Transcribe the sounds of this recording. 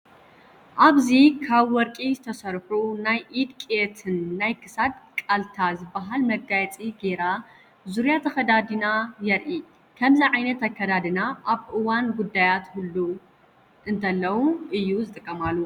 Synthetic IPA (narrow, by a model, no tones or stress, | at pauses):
ʔaβzikʰaβwɔɾkʼizɨt̪ʰɐsɐɾħunajʔid̪kʼet̪ʰɨnːajkʰɨsad̪kʼalt̪ʰazɨbːaɦalmɐɡɡajt͡sʼiɡe̞ɾa | zuɾjat̪ʰɐxɐd̪ad̪inajɛɾʔi | kʰɐmziʕajnɐt̪akʰːɐd̪ad̪ɨnaʔaβʔɨwanɡud̪ːajat̪hulːu | ʔɨnt̪ʰɐlːɐwuʔɨjːuzɨt̪ʼɨkʼːɐmalːu